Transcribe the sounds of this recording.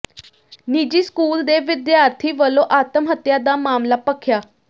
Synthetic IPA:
niːd͡ʒiːskuːld̪eːʋɪd̪jaːɾt̪ʰiːʋəlõːʔaːt̪əmɦət̪jaːd̪aːmaːmlaːpəkʰjaː

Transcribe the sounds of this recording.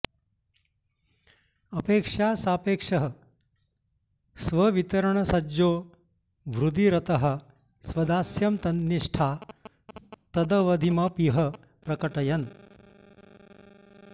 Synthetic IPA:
ɐpeːkʂaːsaːpeːkʂɐɦɐ | sʋɐʋit̪ɐɾɐɳɐsɐd͡ʒoː | ʋɾud̪iɾɐt̪ɐɦɐ̆ | sʋɐd̪aːsjɐmt̪ɐnjiʂʈʰaː | t̪ɐd̪ɐʋɐd̪ʱimɐpiɦɐ | pɾɐkɐʈɐjɐn

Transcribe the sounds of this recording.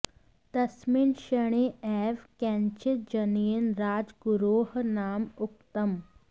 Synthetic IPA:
t̪ɐsminʃɐɽ̃eːɛːʋkɛ̃ːnt͡ʃɪt̪̚d͡ʒɐniːənɾaːd͡ʒɡʊɾoːɦnaːmʊkt̪əm

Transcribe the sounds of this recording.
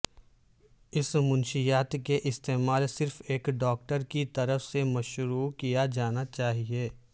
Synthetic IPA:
ɪsmʊ̃nʃijaːt̪keʔɪst̪eːmaːlsɪɾfeːkɖɔːk̚ʈəɾkit̪ɐɾəfsemɐʃɾuːkijad͡ʒaːnat͡ʃaːɦieː

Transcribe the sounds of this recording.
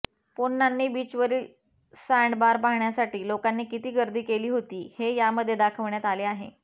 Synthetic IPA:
ponːanːiːbiːt͡ɕʋəɾiːl | saɳɖbaɾpaɦɳjasaʈiːlokanːiːkit̪iːɡəɾd̪iːkeliːɦot̪iːhejaməd̪ʱːjed̪akʰəʋɳjat̪aleːaɦḛ

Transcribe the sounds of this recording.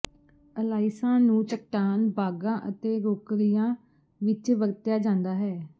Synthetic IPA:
əlaːɪsãːnũːt͡ʃək̚ʈaːnbaːɡãːʔət̪eːɾoːkɾijãː | ʋɪt͡ʃʋəɾt̪jaːd͡ʒãːnd̪aːɦɛː

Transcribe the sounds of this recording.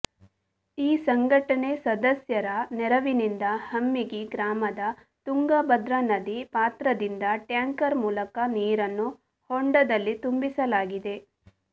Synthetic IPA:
iːsɐŋɡʱɐʈɐɳesɐd̪ɐsjɐɾɐnɛɾɐʋinind̪ɐhɐmːiɡiɡɾaːmɐd̪ɐ | t̪uŋɡɐbɐd̪ɾɐnɐd̪ipaːt̪ɾɐd̪ind̪ɐʈjaːŋkɐɾmuːlɐkɐniːɾɐnːu | hoɳɖɐd̪ɐlːit̪umbisɐlaːɡid̪e̞

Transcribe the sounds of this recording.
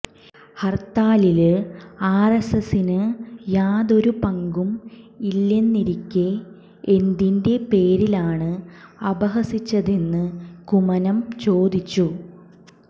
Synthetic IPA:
hɐrt̪ːaːlilaːresɐsinɨjaːðo̞ɾupɐŋɡumilːenːiɾikʲːe | end̪inde̞pe̞ːɾilaːɳɨɐbɐɦɐsit͡ɕːɐðe̞nːɨkumɐnɐmt͡ɕo̞ːd̪it͡ɕːu

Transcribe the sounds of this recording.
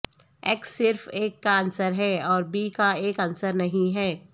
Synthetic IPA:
ɛksːɪɾfeːkːaɐnsəɾɦɛːɔːɾbiːkaeːkɐnsəɾnɐɦĩɦɛː

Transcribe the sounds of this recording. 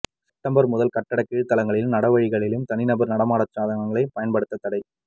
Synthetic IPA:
sɛp̚ʈɐmbɐɾmʊðɐlkɐʈːɐɽɐkːiːɻt̪ːɐlɐŋɡɐɭɪlnɐɽɐʋɐɻɪɣɐɭɪlɯmt̪ɐnɪnɐbɐɾnɐɽɐmaːɽɐt̪ɾaːðɐŋɐŋɡɐɭɐɪpɐjɐnpɐɽɯt̪ːɐt̪ːɐɽɐɪ

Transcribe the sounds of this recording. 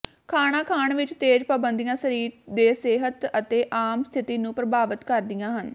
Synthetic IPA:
kʰaːɳ̃ãːkʰaːɳʋɪt͡ʃt̪eːd͡ʒpaːbənd̪ijãːsəɾiːɾd̪eːseːɦət̪ət̪eːʔaːmst̪ʰɪt̪iːnũːpɾəbaːʋət̪kəɾd̪ɪjãːɦən

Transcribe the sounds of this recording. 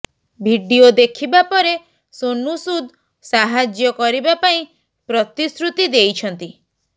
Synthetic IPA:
bʱiɖiod̪ekʰibapɔɾe | sonusud̪ | saɦad͡ʒjɔkɔɾibapaĩ | pɾɔt̪isɾut̪id̪ejt͡ʃʰɔnt̪i

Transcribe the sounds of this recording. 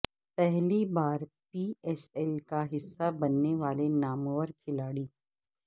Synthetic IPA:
pɛɦlibaːɾ | piːɛːsɛlkaɦɪsːabɐnːeʋaːlenaːmoʋəɾkʰɪlaːɽiː

